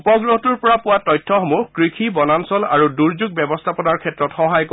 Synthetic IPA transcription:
pɔɡɹoɔtuɹpɔɹapʊwatɔjtʰːɔxɔmuhkɹikʰibɔnansɔla̰ɹuduɹzuɡ̚bɛbɔstʰapɔnaɹkʰɛtɹɔtxɔɦajk

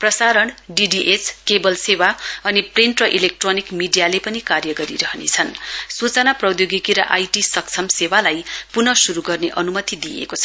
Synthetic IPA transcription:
prʌsaɾʌɳɖiɖiʔet͡skebʌlsewaʌnipriɳʈrʌʔilek̚ʈronikmiɖijalepʌnikarjʌɡʌɾḭɾʌɦʌnḛt͡sʰʌnsut͡sʌnaprʌd̪joɡikiɾʌ̰ʔajʈisʌk̚t͡sʰʌmsewalajpunʌsuɾuɡʌrneʔʌnumʌt̪id̪ijḛkot͡sʰʌ

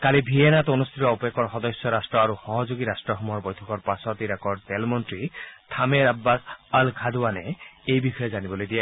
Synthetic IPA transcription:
kalibʱienat̪onust̪ʰitɔɔpekɔɹxɔd̪ɔsjɔɾastɹɔaɾuxɔɦɔd͡ʒoɡiɾasʈɹɔxɔmuɔɹbɔjt̪ʰɔkɔɹpasɔt̪iɾakɔɹt̪ɛlmɔntɹit̪ʰameɾabːasalkʰad̪uanɛejbixɔjezanibɔlojd̪ija

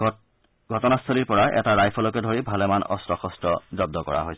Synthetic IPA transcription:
ɡʱɔtɔnast̪ʰoliɹpɔɹaʔɛ̰taɹajpʰɔlɔkɛdʱoɹibʱalɛmanɔ̰stɹɔxɔstɹɔzɔb̚d̪ɔkɔ̰ɹa̰ɦojsɛ

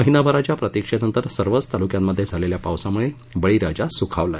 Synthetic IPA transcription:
əɦinabʱəɾat͡ɕjapɾət̪ikʂenənt̪əɾsəɾʋət͡st̪alukjamːəd̪ʱːjed͡zʱaleljapawsamuɭe | bəɭiɾad͡ʑasukʰaʋla

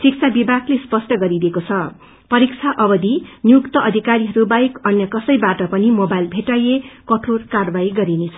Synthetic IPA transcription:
sik̚t͡sʰabibʱaɡlespʌsʈʌɡʌɾid̪ekot͡sʰʌ | pʌɾik̚t͡sʰaʔʌbʌd̪injukt̪ʌʔʌd̪ʱikaɾiɦʌɾubajkʌnjʌkʌsʌjbaʈʌpʌnimobajlbʱeʈajekʌʈʰorkarbajɡʌɾinet͡sʰʌ

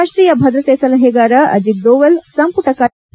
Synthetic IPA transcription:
ʂʈɾiːjɐbʱɐd̪ɾɐt̪eːsɐlɐɦeɡaːɾɐʔɐ̰d͡ʒik̚d̪oːʋelsɐmpuʈɐka

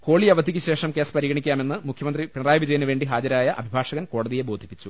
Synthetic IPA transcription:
ho̞ːɭiɐʋɐd̪ʱikʲːɨɕe̞ːʂɐmke̞ːspɐɾiɣɐɳikʲːaːme̞nːɨmukʰjɐmɐnd̪ripiɳɐraːjɐʋid͡ʑɐjɐnːɨʋe̞ːɳɖiɦaːd͡ʑɐɾaːjɐʔɐbʱibʱaːʂɐɣɐnko̞ːɽɐðije̞bo̞ːd̪ʱi̥pːit͡ɕːu

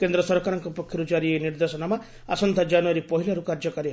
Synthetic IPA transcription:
kend̪ɾɔsɔɾkaɾɔŋkɔpɔkʰjɔɾud͡ʒaɾieniɾd̪esɔnama | a̰sɔnt̪ʰad͡ʒanuɔɾipɔɦilaɾukaɾd͡ʒɔkɔɾe

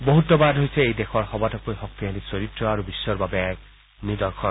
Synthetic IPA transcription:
boɦutɔbadɦojsɛejdɛxʰɔɹxɔbatɔkojxɔk̚t̪iɦalisoɹitɹɔaɹubisːɔɹbabɛɛk̚ | nid̪ɔɹkʰɔ

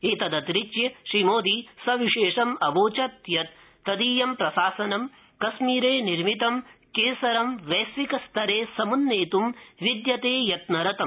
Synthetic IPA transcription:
eːt̪ɐd̪ɐt̪ɾit͡ʃjɐʃɾimoːd̪isɐʋiʂeːʂɐmɐʋoːt͡ʃɐt̪jɐt̪ː | ɐd̪iːjɐmpɾɐsaːsɐnɐm | kɐsmiːɾeːniɾmit̪ɐmkeːsɐɾɐmʋɐːsʋikɐst̪ʰɐɾeːsɐmunːeːt̪umʋid̪jɐt̪eːjɐt̪nɐɾɐt̪ɐm

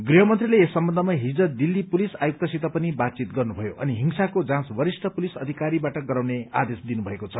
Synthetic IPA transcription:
ɡriɦʌmʌnt̪rileːsʌmbʌnd̪ʱʌmaɦid͡zʌd̪ilːipulisajuk̚t̪ʌsit̪ʌpʌnibat̪̚t͡sit̪ɡʌrnubʱʌjoʔʌ̰niɦiŋsakod͡zãsbʌɾisʈʰʌpulisʌd̪ʱikaɾibaʈʌɡʌɾawnea̰d̪esd̪inubʱʌekot͡sʰʌ

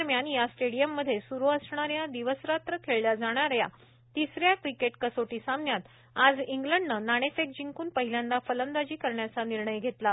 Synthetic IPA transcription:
ɾmjanjasʈeɽijəmːəd̪ʱːjesuɾuəsɳaɾjad̪iʋəsɾat̪ɾəkʰeɭljad͡zaɽ̃aɾja | t̪isɾjakɾikeʈkəsoʈiːsãmnjat̪ | ad͡ziŋɡləɳɖnənaɽ̃esek̚d͡ʑiŋkuːnpəɦiljãnd̪afələnd̪ad͡ʑiːkəɾɳjat͡saniɾɳəjɡʱet̪la

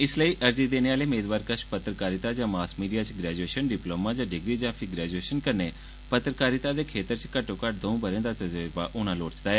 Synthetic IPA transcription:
ɪsləiːʔəɾd͡ʒiːd̪eːneːaːleːmeːd̪ʋaːɾkəʃpət̪ɾəkaːɾɪt̪aːd͡ʒãːmaːskmiːɖijaːt͡ʃɡɾɛːd͡ʒueːʃənɖɪploːmãːd͡ʒãːɖɪɡɾiːd͡ʒãːpʰiɡɾɛːd͡ʒueːʃənkəɾneː | pət̪ɾəkaːɾɪt̪aːd̪eːkʰeːt̪əɾt͡ʃkəʈːõːkəʈ̚d̪õũːbəɾẽːd̪aːt̪əd͡ʒeɾbaːʔʊñãːloːɽt͡ʃd̪aːɛː

